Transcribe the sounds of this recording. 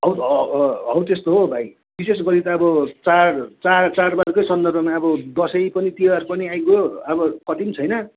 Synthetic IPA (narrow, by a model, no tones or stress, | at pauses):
ɦʌwt̪ɦʌwt̪est̪oɦobʱaj | bises̬ɡʌɾit̪ʌːbʌt͡sart͡sart͡sarbarkojsʌnd̪ʌrbʌmaʌbʌd̪ʌsʌjpʌnit̪iarpʌniajɡoʌbʌkʌʈimt͡sʰʌjnʌ